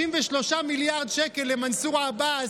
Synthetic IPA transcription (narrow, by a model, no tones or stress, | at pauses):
imveʃlo̞ʃamiljaʁdʃekelːemansuʁaːba